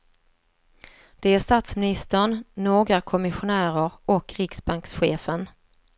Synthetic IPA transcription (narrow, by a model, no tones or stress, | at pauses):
d̪̥ɛæʂt̪aːt̪smɪnɪst̪əɳnoːɡɾakʰɔmɪɧʊnæːɾəɾʔɔkɾɪksbaŋksɧeːfən